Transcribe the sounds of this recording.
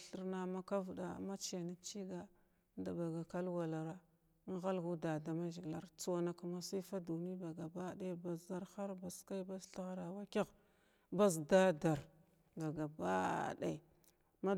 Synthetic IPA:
ɬi˦ɾna˨ma˦ka˦vda̰˨ma˦t͡ʃe˨na˦t͡ʃi˦ɡa˦ | nda˨ba˨ɡa˨ka˦lwa˨la˨ɾa˦ | n˦ɣa˦lɡu˦da˨da˨ma˦ʒi˨la˦ɾt͡su˨wa˨na˨ka˨ma˨si˦fa˦du˨ni˦ba˨ɡa˨ba˦da˦ba˨sza˦ɾxa˦ɾba˨ska˦i˦ba˦sɬi˦ɣɾa˨wa˦ka˦ɣ | ba˦s̬da˦da˨ɾ | ba˨ɡa˨ba˦˨da̰˨ | ma˦

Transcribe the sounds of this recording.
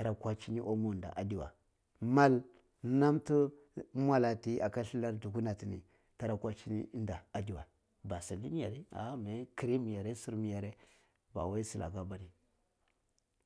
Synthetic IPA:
ta˨ɾa˨kʷa˦t͡ʃi˦ni˦ʔo˦mo˦˨da̰˨ʔa˨di˨wa̰˨ | ma˦l | na˦mtu˦ | mʷa˦la˨ti˦ʔa˨ka˦ɬi˦la˦ɾdu˨ɡu˦na˨ti˨nḭ˨ | ta˨ɾa˨kʷa˦t͡ʃi˦nḭ˦nda˨a˨di˦wa˨ | ba˨sa˨li˦ni˦ja˨ɾi˦a̰˨˦me˨˦ki˨ɾi˦mi˨ja˨ɾe˦su˦ɾmi˨ja˨ɾe˦ | ba̰˨wa˦i˦si˨lʔa̰˨ɡa˦ba˦ni˨

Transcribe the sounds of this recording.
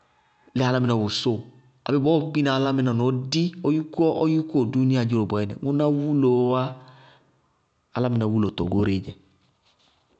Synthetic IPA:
lɛ˦a˨la˦mɪ˨na˨wo˨so˦˨ | a̰˨bɛ˦˨bɔ˦˨˦ki˦na˨la˦mɪ˦na˨nɔ˨˦di˦ɔ˦ju˦kɔ˦ʔɔ˦ju˦kɔ˦˨du˦ni˦a˨d͡ʒi˦ɾo˨bɔ˨ɛ˦nɛ̰˨mu˦na˦wu˦lo˨˦a˦ | a˨la˦mɪ˨na˨wu˦lo˨tɔ̰˨ɡo˦ɾe˨d͡ʒɛ˨

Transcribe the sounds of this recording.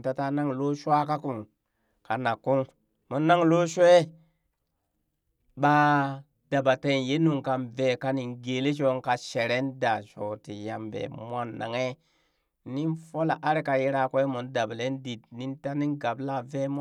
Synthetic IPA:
ta˨ta˦na˦ŋlo˦ʃʷa˦ka˦ku˨m | ka˨na˨kːu˦ŋ | mo˨nːa˦ŋlo˦ʃʷe˦ | ɓa˧ | d̥a˨ba˨te˧˨nje˦nu˨ŋka˨nve˨ka˨ni˨nɡe˨le˦ʃ̬o˧˦ŋka˨ʃe˨ɾe˦nda˨ʃo˨ti˨ja̰˨mvḛ˨mʷ˦a˦nːa̰˨ŋe˦ | ni˦nfo˦la̰˨ʔa˦ɾi˦ka˨ji˦ɾa˨kʷe˦mo˨nda˨ble˦ndi˨tni˦nta˦ni˦ŋɡa˨bla˦˨ve˦m˦

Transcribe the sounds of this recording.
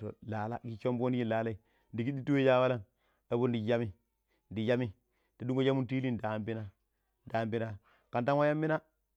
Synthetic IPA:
o̰˨la˨la̰˦ɡi˦t͡ʃo˦mbo˦ni˦ji˦˨laː˨la˦i˨ | ndi˨ɡi˦di˦tu˦we˦ja˦wa˦la˦n | a˨bo˦ndi˨ja˦mi˦ | ndi˨ja˦mi˦ | ta˨du˦ŋɡo˦d͡ʒa˦mu˦nti˦li˦nda˨mbi˦na˦ | da˨˦˨mbi˦na˦ | ka˨nta˦nwa˦ja˦mːi˦na˦

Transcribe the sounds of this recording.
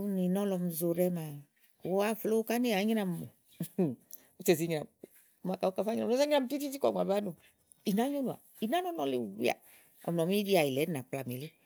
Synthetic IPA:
u˦ni˨nɔ˦lɔ˧m̩˧zo˧ɾɛ˦ma˨˦ | a˦flo˦ka˦ne˦a˨˦ɲi˦na˧m˨o˨ | u˧˦t͡ʃɛ˨zi˨˧ɲi˧na˨ | ma˧ka˨o˧ka˧˦fa˦ɲ˧a˨ɔ˦a˦ɲi˦a˨m̩u˧ti˦ti˦ti˦kɔ˨ŋʷ˨a˨ba˦nu˨ | i˨na˨˦ɲo˦nu˨a̰˨ | i˨na˦nɔ˦nɔ˧˦le˦˨wi˦a̰˨ | ɔ̰˨m˨nɔ˨m˦i˦di˦a˨i˨lɛ˨˦na˨k͡pla˨mi˨le˦

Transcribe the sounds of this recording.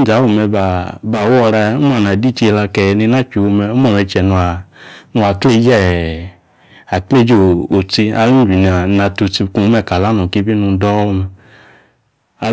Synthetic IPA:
da˨˦wo˧˨mɛ˧ba˧˨ba˨wɔ˧ɾa˧˦u˦m˦a˦˨n˨a˨di˦t͡ʃe˧la˧kɛ˨jni˧˦na˦t͡ʃu˨wo˧mɛ˧u˦mɔ˦˨ɾi˧t͡ʃɛ˨nu˧a˨nu˧a˨kle˦˧˦d͡ʒɛ˦˨ | a˨kle˦d͡ʒo˦˨o˨ti˧a˧lu˦d͡ʒi˨n˨a˨na˧tu˧ti˧ku˧˨˦mɛ˧˨ka˨la˨˦nɔ˨ke˦bi˦nu˧˦dɔ˦o˦˧mɛ˧

